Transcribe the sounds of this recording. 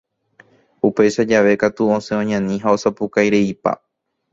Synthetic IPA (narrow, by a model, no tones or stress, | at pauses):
upe̞jʃad͡ʒaʋe̞kat̪uõsẽõɲãnĩɦao̞sapukajɾe̞ipa̰